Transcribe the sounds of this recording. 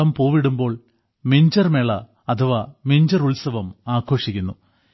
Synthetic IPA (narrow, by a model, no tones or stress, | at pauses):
ɐmpoːʋiɽumbo̞ːɭ | miɲd͡ʑɐrmeɭɐ | ɐt̪ʰɐʋaːmiɲd͡ʑɐruɭsɐʋɐmaːkʰːo̞ːʂikʲːunːu